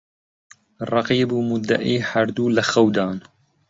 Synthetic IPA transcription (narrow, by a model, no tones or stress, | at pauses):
rˤɑqiːbumʊd̪ːa̰ʔiːhɐɾd̪ulɐxɐwd̪aːn